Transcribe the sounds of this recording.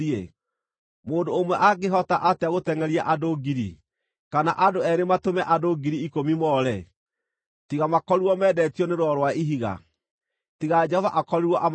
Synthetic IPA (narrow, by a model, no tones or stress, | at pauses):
ie | moːndoːmwɛʔaɡeɦɔtaʔateaɣotɛŋɛɾiaʔadoɡiɾḭ | kanaʔadoɛɾematomɛʔadoɡiɾiːkomimɔɾɛ | tiɣamakɔɾiwɔmɛːdɛtjɔneɾwɔɾwaiɦiɣa̰ | tiɣad͡ʒɛhɔvaʔakɔɾiɾwɔʔam